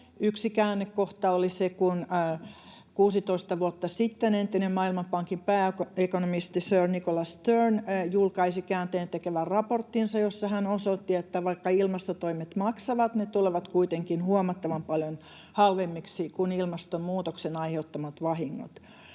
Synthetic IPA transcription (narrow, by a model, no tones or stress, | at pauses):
yksikæːnːekkoht̪ɑolisekunː | kuːsit̪oist̪ɑʋuot̪ːɑsit̪ːenent̪ːinemmɑːilmɑpɑŋkimpæːekonomist̪isøːrnikolɑst̪ørnjulkɑisikæːnt̪eːnt̪ekeʋærrɑport̪ːinsɑjosːɑhænosot̪ːiet̪ːæʋɑikːɑilmɑst̪ot̪oimet̪mɑksɑʋɑt̪net̪uleʋɑt̪kuit̪eŋkinhuɑmɑt̪ːɑʋɑmpɑljon | hɑlʋemːiksikunilmɑst̪ommuːt̪oksenɑiheut̪ːɑmɑt̪ʋɑhiŋːo̰t̪